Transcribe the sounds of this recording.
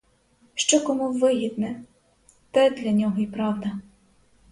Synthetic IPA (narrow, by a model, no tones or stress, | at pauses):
ʃt͡ʃɔkɔmuʋɪɦʲid̪nɛ | t̪ɛd̪lʲɐnʲɔɦɔipɾɑwd̪ɐ